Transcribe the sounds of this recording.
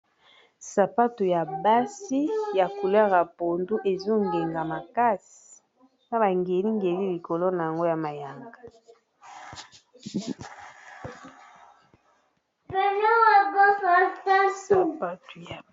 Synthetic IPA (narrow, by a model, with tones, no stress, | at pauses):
sa˨pa˦tu˨ja˨ba˦si˦ja˨ku˨la˦ɣa˨po˨ndu˦ʔe˨zo˦ŋɡe˨ŋɡa˨ma˨ka˦si̥˨ | na˦ba˨ŋɡe˨li˦ŋɡe˨li˦li˨ko˨lo˦na˨ja˨ŋɡo˦ja˨ma˨ja˨ŋɡa˨ | bɛ˨nɔ˦wa˨bɔ˦ka˨ta˦su˨˦pa˦tu˨ja˨